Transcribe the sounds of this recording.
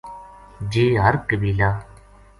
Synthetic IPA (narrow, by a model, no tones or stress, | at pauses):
d͡ʒeːɦəɾkəbiːlaː